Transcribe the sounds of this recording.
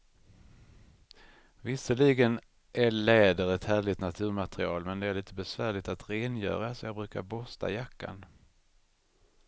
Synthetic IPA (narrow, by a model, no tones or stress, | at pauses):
vɪsəɭiːɡən | ʔælɛːd̪əɾɛt̪hæːɭɪt̪nat̪ʰʉ̟ːɾmat̪ɾɪɑ̰ːlmɛnd̪ɛæɾɭiːt̪əbɛsvæːɭɪt̪at̪ɾeːnjœ̰ːɾasɔjɑːɡbɾʉ̟ːkaɾbɔst̪ʰa̰jakːa̰n